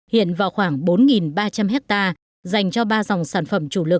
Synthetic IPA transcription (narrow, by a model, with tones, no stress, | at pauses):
hḭ˧˨ənvaː˨˩wxwaː˧˩ŋɓo˨˦nŋi˨˩nɓaː˧t͡ɕa˧mɦɛ˦˥k̚t̪aː˧ | za˨˩jŋ̟t͡ɕɔ˧ɓaː˧za˨˩wŋ͡msaː˧˩nfə˧˩mt͡ɕu˧˩lɨ˨˩k̚